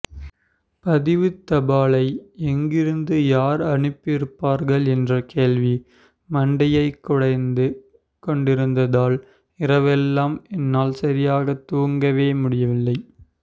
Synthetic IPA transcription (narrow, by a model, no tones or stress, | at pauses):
pɐðɪʋɯt̪ːɐbaːlɐɪɛŋɡɪɾɯnd̪ɯjaːɾɐɳɯpːɪɾɯpːaːɾɣɐɭɛndrɐkeːɭʋi | mɐɳɖɐjɐɪkːʊɽɐɪnd̪ɯ | kɔɳɖɪɾɯnd̪ɐðaːl | ɪɾɐʋɛlːaːmɛnːaːlsɐɾɪjaːɣɐt̪ːuːŋɡɐʋeːmʊɽɪjɐʋɪlːɐɪ